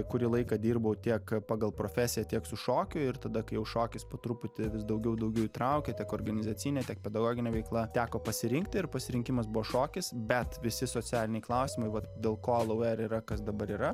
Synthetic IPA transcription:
kʊɾʲiːlˠɐɪkɑd̪ʲiːɾbɐʊt̪ʲiɛkpɑːɡɐlˠpɾoːfʲæːsʲɪjɛt̪ʲiɛksʊʃoːkʲʊɪɾt̪ɐd̪ɐkɐɪjɛʊʃoːkʲɪspoːt̪ɾʊpʊt̪ʲɪʋʲɪsd̪ɐʊɡʲɛʊd̪ɐʊɡʲɛʊit̪ɾɐʊkʲɛt̪ʲiɛkoːrɡɐnʲɪzɐt͡sʲinʲɛt̪ʲiɛk̚pʲɛd̪ɐɡoːɡʲɪnʲɛːʋʲɛɪklˠɐt̪ʲæːkoːpɐsʲɪɾʲɪŋk̚t̪ʲɪɪrpɐsʲɪɾʲɪŋʲkʲɪmɐsbʊʋoːʃoːkʲɪsbʲɛt̪ʋʲɪsʲɪsoːt͡s̪ʲæːlʲɪnʲɛɪklˠɐʊsʲɪːmɐɪʋɐt̪d̪ʲeːlˠkoːlˠɐʊɛɾiɾɐkɐsd̪ɐbɐɾiːɾɐ

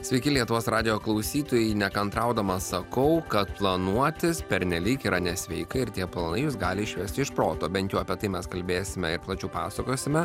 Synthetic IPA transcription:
sʲʋʲɛɪkʲɪlʲiɛt̪ʊʋoːsɾɑːd̪ʲɪjoːklˠɐʊsʲiːt̪oːjɛɪnʲɛkɐnt̪ɾɐʊd̪ɐmɐsɐkɐʊkɐt̪plˠɐnuɔt̪ʲɪspʲɛɾʲnʲɛlʲiːkiːɾʔɐnʲɛsʲʋʲɛɪkɐɪɾt̪ʲiɛplˠɐnɐɪjuːsɡɑːlʲɪɪʃʲʋʲɛsʲt̪ʲɪɪʃpɾoːt̪oːbʲɛnt̪ʲjɛʊɐpʲiɛt̪ɐɪmʲɛskɐlʲbʲeːsʲɪmʲɛɪɾplˠɐt͡ʃʲɛʊpɑ̰ːsɐkoːsʲɪmʲɛ

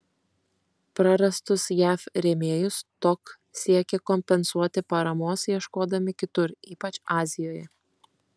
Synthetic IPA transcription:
pɾɐɾɐst̪ʊsjæːfɾʲɛmʲeːjʊst̪ɔk | sʲiɛkʲɛkɔmʲpʲɛnsuɔt̪ʲɪpɐɾɐmoːsjiɛʃkoːd̪ɐmʲɪkʲɪt̪ʊɾiːpɐt͡ʃɑːzʲɪjoːjɛ

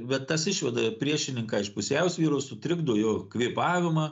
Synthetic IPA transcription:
bʲɛt̪t̪ɐsɪʃʲʋʲɛd̪ɐpʲɾʲiɛʃʲɪnʲɪŋkɑːɪʃpʊsʲɛʊsʲʋʲiːɾoːsʊt̪ʲɾʲɪɡd̪oːjoːkʋʲiːpɑːʋʲɪmɐ

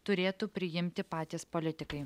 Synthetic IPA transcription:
t̪ʊɾʲeːt̪uːpʲɾʲɪjɪmʲt̪ʲɪpɑːt̪ʲeːspolʲɪt̪ʲɪkɐɪ

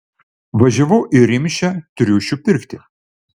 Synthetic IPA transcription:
ʋɐʒʲɐʋɐʊʔɪɾʲɪmʲʃʲɛt̪ʊɾʲuːʃʲupʲɪɾʲkt̪ʲɪ

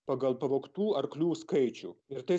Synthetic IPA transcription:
pɑːɡɐlˠpɐʋoːkt̪uːɐɾklʲuːskɐɪt͡ʃʲṵːɪɾt̪ɐɪ

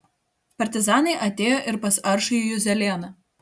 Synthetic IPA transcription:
pɐɾʲt̪ʲɪzɑːnɐɪʔɐt̪ʲeːjoːʔɪɾpɐsɐɾʃɐjujʊzʲɛlʲeːnɐ

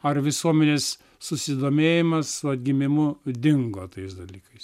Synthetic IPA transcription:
ɐrʋʲɪsuɔmʲɛnʲeːs | sʊsʲɪd̪oːmʲeːjɪmɐssʊɐd̪ʲɡʲɪmʲɪmʊd̪ʲɪŋɡoːt̪ɐɪsd̪ɐlʲiːkɐɪs

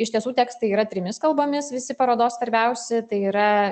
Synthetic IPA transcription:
ɪʃt̪ʲiɛsuːt̪ʲɛːkst̪ɐɪiːɾɐt̪ʲɾʲɪmʲɪskɐlˠboːmʲɪsʋʲɪsʲɪpɐɾoːd̪oːssʋɐɾʲbʲɛʊsʲɛt̪ɐɪiːɾɐ

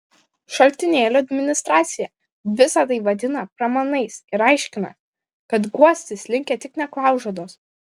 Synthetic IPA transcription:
ʃɐlʲt̪ʲɪnʲeːlʲʊɐd̪ʲmʲɪnʲɪst̪ɾɑːt̪sʲɪjɛ | ʋʲɪsɐt̪ɐɪʋɐd̪ʲɪnɐpɾɐmɐnɐɪsɪɾɐɪʃʲkʲɪnɐ̰ | kɐt̪ɡuɔsʲt̪ʲɪslʲɪŋʲkʲɛt̪ʲɪknʲɛklˠɑˑʊʒod̪oːs

